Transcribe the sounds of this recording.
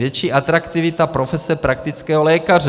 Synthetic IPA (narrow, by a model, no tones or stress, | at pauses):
jɛt͡ʃiːʔat̪ɾakt̪ivit̪apɾofɛsɛpɾakt̪it͡skɛːɦɔlɛːkarɛ